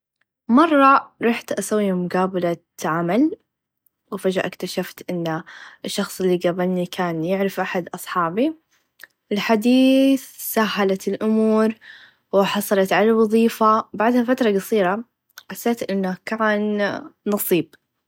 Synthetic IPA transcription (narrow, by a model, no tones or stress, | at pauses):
mɑrˤːɑɾˤɑħt̪ʔasawːiːmʊɡaːbala | ʕamal | wɪfad͡ʒaʔɪkt̪aʃaft̪ʔɪnːʔɪʃːɑxsˤɪlːiɡabɪlnikʰaːnjɪʕɾɪfʔaħad̪ʔɑsˤħɑːbi | ʔɪlħad̪iːθsaɦːalat̪ɪlʔʊmuːɾ | wɪħɑsˤɑlɑt̪ʕalalwɑðˤiːfabaʕd̪hafat̪ɾˤɑɡɑsˤiːɾa | ħasːeːt̪ʔɪnːakaːnːɑsˤiːb̚